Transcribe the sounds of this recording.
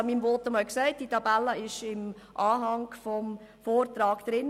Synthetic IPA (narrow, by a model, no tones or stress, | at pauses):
miːmvɔtːəmɔlksɛɪt̚d̥itɑbælːəɪʃɪm | ʔɑːɦɑŋfɔm | foːrtɾɑːɡ̥d̪̥ɾɪn